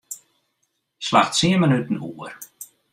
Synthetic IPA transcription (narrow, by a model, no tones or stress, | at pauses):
slaxtsiəmənytən̩uər